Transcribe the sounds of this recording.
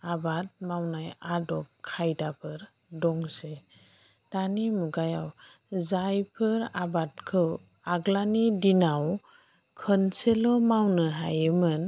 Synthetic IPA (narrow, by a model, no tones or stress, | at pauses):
abat̚mawnajadɔp̚kʰajdapʰɯɾ | dɔŋse | tanimuɡajaw | zajpʰɯɾabat̚kʰɯw | aɡlanidinaw | kʰənselɔmawnɯɦajɯmɯn